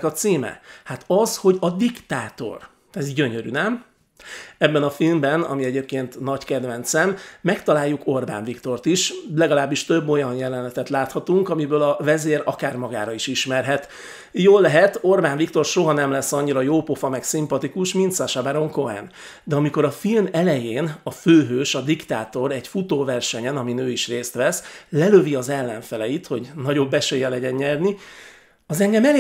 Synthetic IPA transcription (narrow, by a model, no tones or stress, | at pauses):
kɒt̪siːmɛ̰hat̪ɒzho̞ɟɒd̪ikt̪aːt̪o̞̰r | ɛzɟøɲøɾy̰nɛm | ɛbːɛnɒfilmbɛnɒ̰miɛɟeːp̚keːnt̪nɒɟkɛd̪vɛnt̪sɛmːɛkt̪ɒlaːjːukʰo̞rba̰ːɱvikt̪o̞rt̪iʃlɛɡɒlaːbːiʃt̪ø̞bːo̞jɒnjɛlɛnlɛt̪ɛt̪laːt̪hɒt̪uŋkɒmibøːlɒvɛzeːɾɒkaːrmɒɡaːɾɒiʃiʃmɛrɦɛt̪ | joːlːɛɦɛt̪o̞rbaːnvikt̪o̞rʃo̞ɦɒnɛmlɛsːɒɲːiɾɒjoːpo̞fɒmɛksimpɒt̪ikuʃmint̪saːʃaːbaːɾo̞ŋko̞ɛ̰n | d̪ɛɒmiko̞ɾɒfilmɛlɛjeːnɒføːɦøːʃɒd̪ikt̪aːt̪o̞ɾɛɟfut̪oːvɛrʃɛɲɛnɒminøːiʃreːst̪ʋɛslɛløviɒzɛlːɛɱfɛlɛjit̪ho̞ɟnɒɟo̞bːɛʃeːjɛlɛɟɛnɲɛrni | ɒzɛŋɡɛmɛl